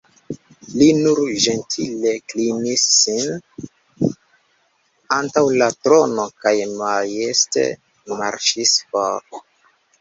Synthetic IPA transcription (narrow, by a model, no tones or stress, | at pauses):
linuɾʒe̞ntʰile̞klinisːin | antawlatɾo̞no̞kajmajeste̞̰ | ma̰ɾʃisfaɾ